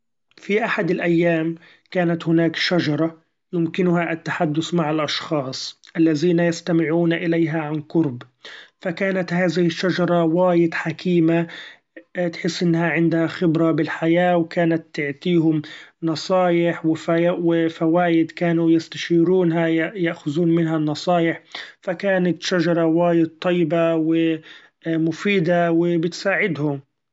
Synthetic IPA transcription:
fiʔaħad̪ɪlʔajːaːm | kaːnat̪hʊnaːkʃad͡ʒɑɾˤɑ | jʊmkɪnʊhaʔat̪ːaħad̪ːʊθmaʕalʔɑʃxɑːsˤʔalːaðiːnajast̪amɪʕuːnaʔɪlajɦaʕankʊɾb | fakaːnat̪haːðɪhɪʃːad͡ʒɑɾˤɑwaːjɪd̪ħakʰiːma | t̪ħɪsːʔɪnːhaʕɪnd̪haxɪbɾɑbɪlħajaːwkaːnat̪ːɪʕt̪iːɦʊmnɑsˤɑːjɪħwɪfwɪfawaːjɪd̪kaːnujɪst̪aʃiːɾuːnɦajjaʔxʊðuːnmɪnɦanːɑsˤɑːjɪħfakaːnat̪ʃad͡ʒɑɾˤɑwaːjɪd̪̚t̪ˤːɑjːbawɪ | mʊfiːd̪awɪbɪt̪saːʕɪd̪hʊm

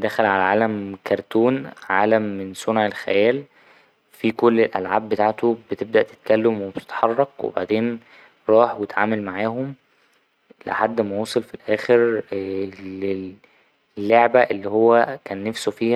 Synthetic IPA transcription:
d̪æxælʕalæʕaːlæmkɑɾˤt̪uːnʕaːlæmːensonʕelxæjæːl | fikolːelʔælʕaːbːet̪aʕt̪obet̪eb̚d̪æʔt̪e̥t̪̚kælːæmwebt̪e̥t̪ħɑrˤːɑqwḛba̰ʕd̪eːn | ɾˤɑːħwet̪ʕaːmælmaʕaːɦom | lḛħad̪ːmowɑːsˤɑlfilʔæːxeɾ | le | lːoʕbæʔelːiːhowːækæːnːæfsofiːhæ

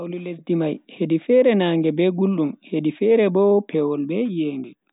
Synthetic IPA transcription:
awlulesdimajhedifɛɾɛnaːŋɡɛbɛɡulːumhedifɛɾɛbɔpʰɛwɔlbɛjeːŋɡɛ

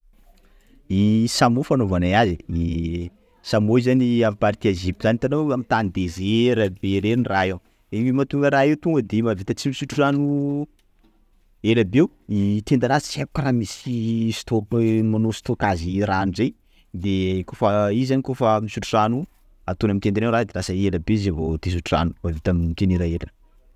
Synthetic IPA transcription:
isamofanovanajazii | samoizaniampaɾit̪iezip̚t̪zanit̪anoamit̪and̪ezeɾabeɾenrae | eɲimat̪uŋɡəɾaewt̪uŋɡəd̪emavit̪aət͡simisuʈ͡ʂuzanu | eɾabew | it̪end̪aɾasə̥t͡siaku̥kaɾamisist̪omanosi̥t̪okaziɾanizej | d̪ekofaizanikofamisuʈ͡ʂu̥ʈ͡ʂanu | at̪unamit̪enaneɾad̪eɾasəelabezevot̪es̬uʈ͡ʂua̰nu̥mavit̪amt̪eniɾaeɾn

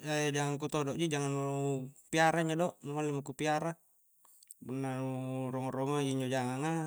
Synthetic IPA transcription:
ad͡ʒaŋaŋkut̪ɔdɔʔd͡ʒid͡ʒaŋanupiaɾaiɲd͡ʒadɔʔnuŋalimakupiaɾa | punːanurɔŋɔrɔmaiɲd͡ʒod͡ʒaŋaŋa

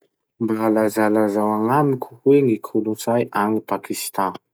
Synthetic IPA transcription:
mbalazalazawaŋamikʲʰu̥weŋikʰulut͡sajʔaŋipakʰist̪ã

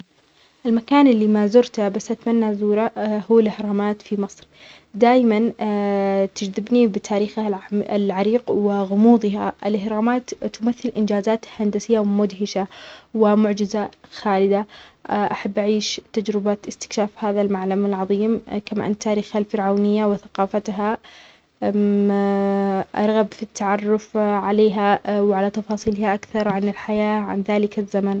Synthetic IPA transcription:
ʔɪlmakaːnʔɪlːimazʊɾt̪abasːʔat̪manːazuːɾahuːalʔɪhɾˤɑːmaːt̪fimɨsˤɾ | d̪aːjman | t̪ɪd͡ʒðɪbnibɪt̪ʰaːɾiːxaalʕaɾiːqwɪɣʊmuːd̪ˤɪɦaʔɪ̰lʔɪhɾˤɑːmaːt̪ːʊmaθːɪlʔɪnd͡ʒaːzaːt̪hand̪asɪjːawmʊd̪ɦɪʃawɪmʊʕd͡ʒɪzaxaːlɪd̪aʔaħabːʔaʕiːʃt̪ːad͡ʒɾɪbaɪst̪ɪ̥kʃaːfhaːðalmaʕlamalʕɑðˤiːmkama̰ʔant̪ːaːɾiːxhalfɪɾʕaːnɪjːawɪθḁqɑːfat̪ɦa | ʔɑ̰ɾˤɣabfit̪ʰːaʕɑrˤːʊfʕaleːɦawʕalat̪ɑfɑːsˤiːlɪhaʔakθɑɾˤʕanɪlħajaːʕa̰nðaːlɪkazːaman

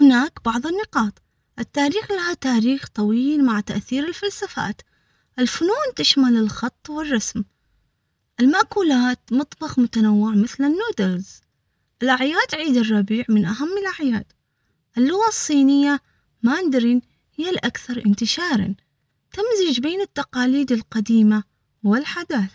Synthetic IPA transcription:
hɪnaːkbɑʕðˤɪnːɪqɑːt̪ˤ | ʔɪt̪ːaːɾiːxlahat̪aːɾiːxt̪ˤɑwiːlmaʕt̪aʔθiːɾɪlfalsafa̰ːt̪ | ʔɪlfʊnuːnt̪ɪʃmalɪlxɑt̪ˤːwɪrˤːɑsm | ʔɪlmaʔkuːlaːt̪mʊt̪ˤbɑxmʊt̪anawːɪʕmɪθlɪnːuːd̪ɪɾz | ʔɪlʔaʕjaːt̪ʕiːd̪ɪrˤːɑbiːʕmɪnʔaɦamːɪlʔaʕjaːd̪̥ | ʔɪlːʊɣasˤːiːnɪjːa | mand̪ɾiːn | hɪjːalʔakθɑɾˤʔɪnt̪ɪʃɑːɾˤɑ̰n | t̪ɪmzɪd͡ʒbeːnɪt̪ːɑqɑːliːd̪ɪlqɑd̪iːma | wɪlħad̪aːθ

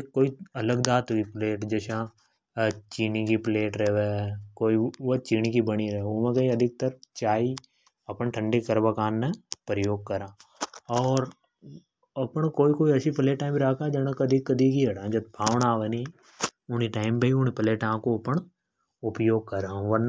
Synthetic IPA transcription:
ekːoːiɐləɡd̪aːt̪ɦoipleːʈd͡ʒeːʃã | t͡ʃiːnikipleːʈɾɛʋekoːiʋot͡ʃiːnikibəɽ̃iɾɛɦomẽkɐĩɐd̪ʱɪk̚t̪əɾt͡ʃaːi | ɐpnʈʰə̃ɳɖikəɾʋakaːnːẽpɾəjoːɡ̚kɐɾãːɔːɾ | ɐpɳ̃koːikoːiɐt͡ʃʰipleːʈːaːɪmbiɾaːkad͡ʒɐnəkɐd̪ʱikːəd̪ʱikiɐɽãd͡ʒɐt̪̚bʱaːʋnaːʋəni | ʊniʈaːɪmpeiʊnipəleːʈãːkoɐpəɳ | ʊpjoːɡ̚kɐɾaːũʋɐɾn

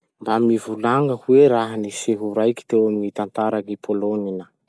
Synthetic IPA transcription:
mbamivulaŋɡəhuweɾaɦaniseɦuɾajki̥t̪ewaminit̪ant̪aɾaŋipʰoloninə

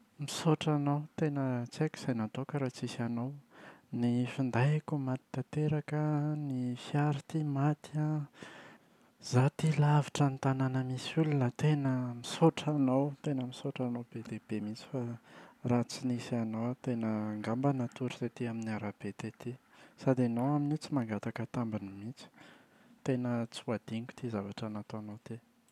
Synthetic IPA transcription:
misoʈ͡ʂanawt̪enət͡seki̥z̥ajnat̪okəɾat͡sisanawnifind̪ajakumat̪i̥t̪at̪eɾakənifjaɾit̪imat̪ia | z̥at̪ilavi̥ʈ͡ʂənt̪ananəmisulunət̪enəmisoʈ͡ʂanawt̪enəmisoʈ͡ʂanowbed̪eb̥emit͡si̥farat͡sinisianowat̪enəŋɡambanat̪uɾisat̪iaminiaɾab̥et̪et̪isad̪enowaminit͡simaŋɡat̪akət̪ambinimit͡si̥ | t̪enət͡suad̪̥iŋɡu̥t̪izavaʈ͡ʂanat̪uanowt̪e

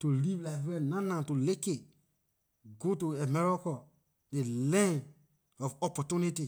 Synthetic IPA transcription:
tulivlafɛ̃nãnãtuleke | ɡotuɛmɛɹɔkɔ | delɛ̃n | ɔfɔpɔtuniti

